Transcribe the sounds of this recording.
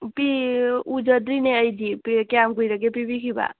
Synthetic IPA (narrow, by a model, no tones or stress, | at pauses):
piud͡ʒəd̪ɾinɛəjd͡ʒipikeamɡuiɾəkepibikʰiba̰